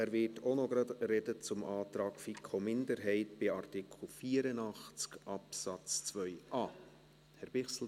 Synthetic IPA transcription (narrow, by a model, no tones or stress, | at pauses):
æɾvʋɪtʰonoɡ̥ɾɑdrɛdət͡sʊmʔɑːtɾɑːkfikʰomɪndəɾɦɛɪtb̥ɪɑrtɪkʰl̩ˠfiːəɾənɑχt͡skɑpsɑt͡st͡sʋœʏʔɑː | hɛɾb̥ɪχsl̩